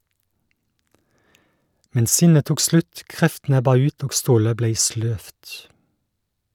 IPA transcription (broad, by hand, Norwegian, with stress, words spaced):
ˈmɛn ˈsɪnə ˈtuːk ˈslʉt ˈkʁɛftn̩ ˈɛbɑ ˈʉːt ˈoːɡ ˈstoːlə ˈbleɪ ˈsløːft